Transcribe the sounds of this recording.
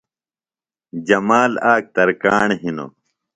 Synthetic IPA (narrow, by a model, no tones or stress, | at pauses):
d͡ʑɐmaːlaːk̚t̪ɐɾkaːɳɦino̰